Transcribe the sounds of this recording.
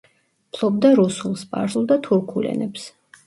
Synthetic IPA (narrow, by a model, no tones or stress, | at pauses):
pʰlˠɔbd̪aɾusulˠspʼa̰ɾsulˠd̪at̪ʰuɾkʰulɛ̰nɛps